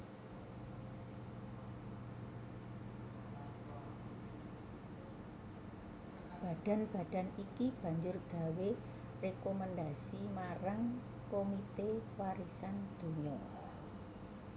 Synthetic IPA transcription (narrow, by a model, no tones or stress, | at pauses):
b̥a̤d̥a̤nb̥a̤d̥a̤nikib̥ä̤ɲd͡ʒʊrɡ̥a̤we | rekomand̪asimaɾaŋ | komit̪ewaɾisand̪̥o̤ɲɔ